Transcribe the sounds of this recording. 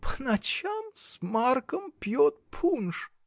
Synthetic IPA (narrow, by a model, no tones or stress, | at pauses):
pʰnat͡ɕʰamsmarkəmpjot̪̚pʰunʃ